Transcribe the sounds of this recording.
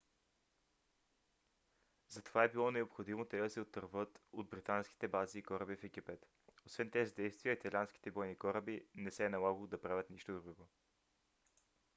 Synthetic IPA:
zɐt̪ovaɛbilˠɔnɛopxod̪imot̪ɛd̪ɐsɛot̪ːəɾvɤt̪od̪̚bɾit̪ansk̟i̥t̪ɛbaziːkɔɾəbifɛɡipɛt̪ | osvɛnt̪ɛzid̪ɛjst̪vijəit̪ɐlʲiansk̟i̥t̪ɛbɔjnikɔɾəbinɛsɛːnɐlˠaɡəlˠod̪ɐpɾavʲət̪niʃt̪od̪ɾuɡo

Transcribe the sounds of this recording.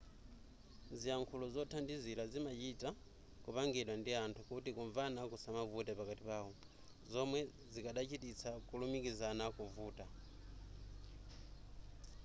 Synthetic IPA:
ziaŋkʰulɔzɔtʰandizilazimat͡ʃita | kupaŋɡɛɗwandiantʰukutikuɱvanakusamavutɛpakatipaːɦɔ | zɔmwɛzikaɗat͡ʃitit͡sʰakulumikizanakuvuːta

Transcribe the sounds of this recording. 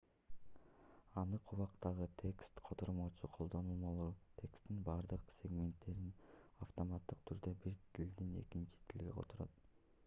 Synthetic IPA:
ɑnɯqʰuβɑqt̪ɑʁɯt̪ʲʰe̞kst̪qʰo̞t̪oɾmot͡ʃuqʰo̞lˠd̪o̞nuːmolˠut̪ʰe̞kst̪inbɑɾd̪ɯqsʲe̞ɡmʲe̞nt̪ːe̞ɾinaft̪omɑt̪ːɯqt̪ʰyɾd̪øbiɾt̪ʰild̪ine̞̰kint͡ʃi̥t̪ʰilɡeqʰo̰t̪ʰoɾo̰t̪̚

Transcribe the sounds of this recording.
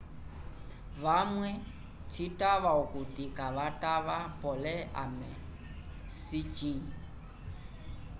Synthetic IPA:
βamwɛ | tʰitʼaβaukut̪ikʼaβatʼaβapʼɔlɛa̰mɛ | sit͡ʃiŋ

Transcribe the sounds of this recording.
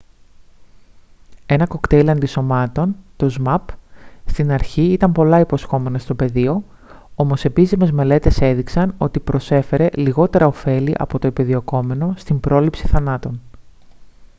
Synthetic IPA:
e̞nɐko̞kt̪e̞lɐnd̪iso̞mɐt̪o̞nt̪o̞zmɐpst̪inɐɾçiit̪ɐmpo̞lɐipo̞sxo̞me̞nɐst̪o̞pe̞ðio̞ | o̞mo̞se̞pisime̞zme̞le̞t̪e̞se̞ðiksɐno̞t̪ipɾo̞se̞fe̞ɾe̞liɣo̞t̪e̞ɾɐo̞fe̞liʔɐ̰po̞t̪o̞epiðio̞ko̞me̞no̞st̪imbɾo̞lipsi̥θɐnɐt̪o̞n

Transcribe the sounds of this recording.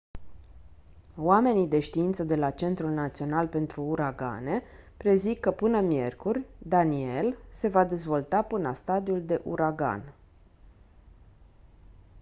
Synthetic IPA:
wame̞nid̪e̞ʃt̪iint̪səd̪e̞lat͡ʃe̞nt̪ɾulnat̪sio̞nalpe̞nt̪ɾuːɾaɡa̰ne̞ | pɾe̞zikːəpɨnəmje̞̰rkurʲd̪anie̞lse̞vad̪e̞zvo̞lt̪apɨnla̰st̪ad̪iuld̪e̞ʔuɾaɡa̰n

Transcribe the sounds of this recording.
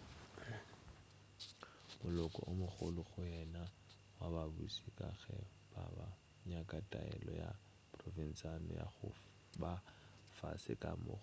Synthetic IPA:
mʊlɔkʼɔʔomʊχʊlʊχʊjɛna | wababusikʼaɣɛ | b̥aba | ɲakʼatʼaɛlɔja | pʼrɔfin̩sanɔjaχʊ | bafasɪkʼamʊχ

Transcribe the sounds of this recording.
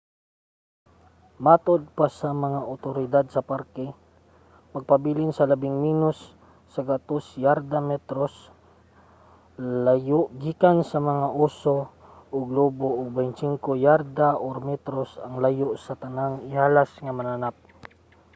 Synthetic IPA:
mat̪od̪̚pasɐmɐŋaʔʊt̪oɾɪd̪ad̪̚sɐpaɾkɛ | mɐɡ̚pabiːlɪnsɐlɐbɪŋminʊsː | ɐɡat̪osjaɾd̪amɛt̪ɾos | lajoʔɡiːkansɐmɐŋaʔuːsoʔʊɡloboʔʊɡ̚bɛjnsiŋkojaɾd̪aʔoɾmɛt̪ɾosɐŋlajoʔsɐt̪ɐnaŋɪhaːlasŋamɐnanap̚

